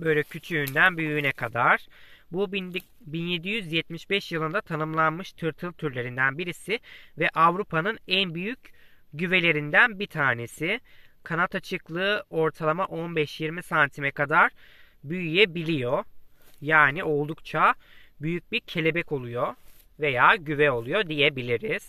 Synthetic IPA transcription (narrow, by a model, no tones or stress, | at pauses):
bø̞jlʲɛcʰyt͡ʃʰyynd̪ænbyjyynɛkʰad̪aɾ̥bub | binje̞d̪ijyzjɛt̪miʃbɛʃjɯlˠɯnd̪at̪ʰanɯmlˠanmɯʃt̪ʰɯɾt̪ʰɯlˠt̪ʰyɾlʲe̞ɾind̪ænbiɾisɪvɛʔavɾupʰanɯnænbyjyc | ɟyve̞lʲe̞ɾind̪ænbit̪ʰaːne̞sɪkʰanat̪at͡ʃʰɯklˠɯo̞ɾt̪ʰalˠamaʔo̞nbɛʃjiɾmisant̪ʰimɛkad̪aɾ | byjyjɛbilʲijojaːnio̞lˠd̪ukt͡ʃʰabyjyc̚biɾcʰe̞lʲe̞bɛco̞lˠujo̞ | ve̞jaːɟyvɛo̞lˠujo̞d̪ijɛbilʲiɾiz̥